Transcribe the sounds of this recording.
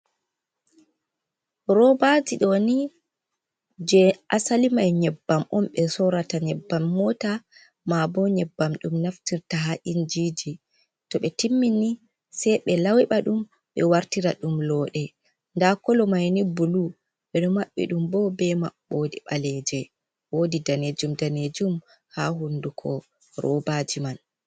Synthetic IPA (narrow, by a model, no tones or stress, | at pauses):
ɾɔbad͡ʒiɗɔni | d͡ʒɛʔasalimajɲɛbːamʔɔmɓɛsɔɾataɲɛbːamːɔta | mabɔɲɛbːamɗumnaftiɾtaɦaʔind͡ʒid͡ʒi | tɔɓɛtimːini | sɛjɓɛlawiɓaɗum | ɓɛwaɾtiɾa̰ɗumlɔɗɛ | ndakɔlɔmajnibulu | ɓɛɗɔmaɓːɛ̰ɗumbɔbɛma̰ɓːodiɓalɛd͡ʒɛ | wodidaned͡ʒumdaned͡ʒum | haɦundukʰɔ | ɾɔ̰bad͡ʒiman